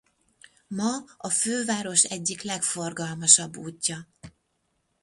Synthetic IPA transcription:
mɒɒføːvaːɾo̞ʃɛɟːiklɛkfo̞rɡɒlmɒʃɒbːuːcːɒ

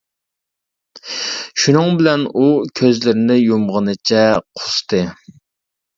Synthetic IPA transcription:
ʃunɨŋbɪlɛnukʲʰøzlɪɾɪnɪjumʁənɨt͡ʃʰɛqʰʊ̥st̪ʰɨ

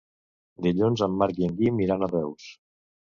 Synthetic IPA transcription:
d̪iʎunzəmːaɾkiəŋɡimiɾanərɛws

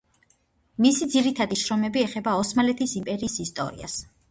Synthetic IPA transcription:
misid̪ziɾit̪ʰad̪iʃɾɔmɛbiɛχɛbaɔsmalɛt̪ʰisimpʼɛɾiːsist̪ʼɔ̰ɾḭa̰s

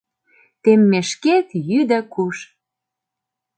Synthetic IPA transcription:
t̪emːeʃket̪jyd̪ə̆kuʃ

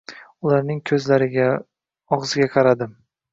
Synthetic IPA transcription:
ʊlaɾnɪŋkʲʰɵzlaɾɪɡʲa | ɒʁzɪɡʲaqʰɑɾad̪ɪm

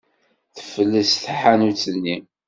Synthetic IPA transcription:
θə̥fəlːəsθħanut͡sːənːi

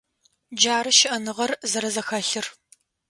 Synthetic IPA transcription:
d͡ʒaːɾɨʃɪʔɐnɨʁɐrzɐɾɐzɐxɐɬɨr

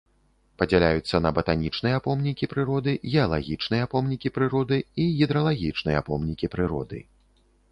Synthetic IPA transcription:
pɐd͡zʲɛlʲajut̪sːɐnɐbɐt̪anʲit͡ʂnɨjɐapɔmnʲikʲipɾɨɾɔd̪ɨɣʲɛɐlˠaɣʲit͡ʂnɨjɐapɔmnʲikʲipɾɨɾɔd̪ɨiɣʲid̪ɾɐlˠaɣʲit͡ʂnɨjɐ̰apɔmnʲikʲipɾɨɾɔ̰d̪ɨ̰

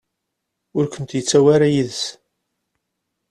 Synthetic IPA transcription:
ʊɾkʷənt̪jət͡sːæwaɾajiðs

